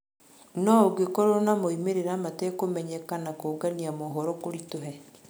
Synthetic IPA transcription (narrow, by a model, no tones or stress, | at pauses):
nɔoɡekɔɾonamoimeɾeɾamatekomɛɲɛkanakoɡaniamoɦɔɾɔkoɾitoɦɛ